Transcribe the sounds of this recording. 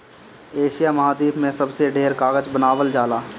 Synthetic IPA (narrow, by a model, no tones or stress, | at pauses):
eːʃijamɐɦaːd̪iːpʰmẽsəbseɖeːɾkaːɡəd͡ʒbənaːwəld͡ʒaːlaː